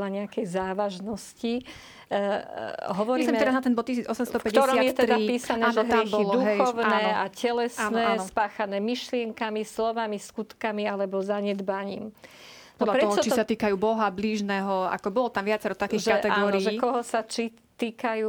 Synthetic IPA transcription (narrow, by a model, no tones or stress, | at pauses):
laɲɛakɛjzaːʋaʒnɔsci | ɦɔʋɔɾisisɛmɛɾaznat̪ɛnbɔt̪̚ːcisiːd͡zɔsɛmst̪ɔpɛɟ̪ɔɾsɾɔatmjɛt̪ɛɾdaipiːsanɛːʒɔɦɾɛmxbɔilɔd̪uɦɛxɔʊnaɛːacɛlɛsanɛaːnɔspaːxanɛːmiʃlɪɛŋkamislɔʋamiskut̪kamialɛbɔzaɲɛd̪baɲḭːm | pɔdlapɾɛt̪ɔɦt͡ʃɔɔt͡ʃisat̪iːkajuːbɔɦabliːʒnɛːɦɔa̰kɔbɔlt̪amʋɪat͡sɛɾɔt̪akiʒkat̪ɛaɡɔːɾiɛkɔɦɔsat͡ʃi | t̪iːkajuː